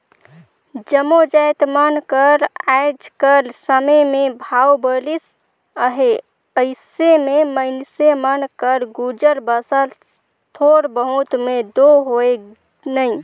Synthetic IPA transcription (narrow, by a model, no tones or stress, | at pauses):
d͡ʒəmod͡ʒajt̪mənkəɾajd͡ʒkəɾsəməmebʱawbəlis | əɦe | əɪsememəɪnsemənkəɾɡud͡ʒəɾbəsəl | t̪ʰoɾbəɦũt̪med̪oɦoe | nəj